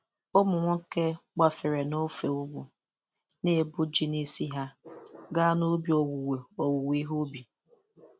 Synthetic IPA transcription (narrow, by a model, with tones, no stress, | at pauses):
o˦mʊ˨ŋʷʊ˦ŋ̩˦ke˦k͡pa˨fɪ˨ɾe˨no˦fe˨ʊ˦ɡ͡bu˨ | ne˦˨bʊ˦d͡ʒi˦ni˦si˦ɦa˦ɡa˦nʊ˦bi˨o˨wu˨we˨o˨wu˨wi˦ɦu˦bi˨